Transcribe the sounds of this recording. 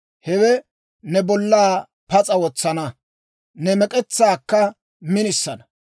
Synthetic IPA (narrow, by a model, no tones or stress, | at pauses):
hɛwɛ | nɛbɔlːaː | pɐt͡sʼɐwɔt͡sːɐnɐ | nɛmɛkʼɛt͡sːaːkːɐ | mɪnɪsːɐnɐ